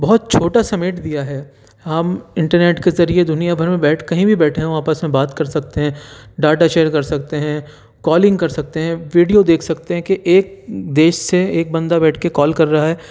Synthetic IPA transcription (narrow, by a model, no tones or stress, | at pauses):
bɔɦʊt̪̚t͡ʃʰoːʈasɐmeːʈd̪ijaɦɛː | ɦɐmɪ̃ɳʈəɾneːʈkezɐɾied̪ʊnijabʱɐɾmẽbɛːʈʰkɐɦĩbʱibɛːʈʰeɦɛ̃õaːpəsmẽbaːt̪kɐɾsɐk̚t̪eɦɛ̃ɖaːʈaʃeːəɾkɐɾsɐkt̪eɦɛ̃ | kɔːlɪ̃ŋɡkɐɾsɐk̚t̪eɦɛ̃ʋiːɖijod̪eːkʰsɐk̚t̪eɦɛ̃keʔeːk̚d̪eːʃseeːk̚bɐ̃nd̪abɛːʈʰkekɔːlkɐɾːɐɦaɦɛː